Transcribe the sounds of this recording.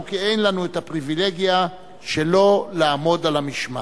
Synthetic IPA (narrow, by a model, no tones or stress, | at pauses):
kiejnlanuet̪apʁivile̞ɡija | ʃe̞lo̞laːmo̞dalamiʃma̰